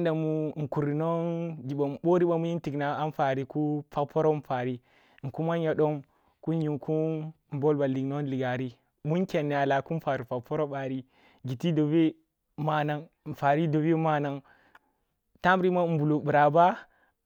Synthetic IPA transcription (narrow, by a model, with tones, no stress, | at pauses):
nda˨mu˦ŋ̩˨ku˨ɾi˨no˦nɡi˨ɓa˨ɓo˦ɾi˦ɓa˦mu˦ji˦n˦ti˨kna˨a˦n˦fa˨ɾi˨ku˦pa˦kpo˦ɾo˦m̩˦fa˨ɾi˦˨ | ŋ̩˨ku˦ma˦ja˨ɗo˦m | ku˦ji˨ŋku˦ | m̩˨bo˦lba˨li˨ɡno˦n˦li˨ɡa˨ɾi˦ | mu˦ŋkʲe˨nː˨a˨la˨ku˦m˦fa˨ɾi˨pa˨k̚po˦ɾo˦ɓa˨ɾi˦ | ɡi˨ti˦do˨be˦ | ma˨na˦ŋ˨n̩˨fa˨ɾi˦do˨bi˦ma˦na˦ŋ | ta˦m˦ɾi˦ma˦m̩˦bu˨lo˨bu˨ɾa˨ba˦